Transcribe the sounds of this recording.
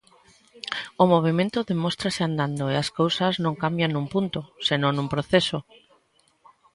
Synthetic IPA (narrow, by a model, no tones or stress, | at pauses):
omoβ̞emẽnt̪oðemost̪ɾaseand̪and̪oeaskowsaznõŋkambjaŋnũmpunt̪osenõŋnũmpɾoθeso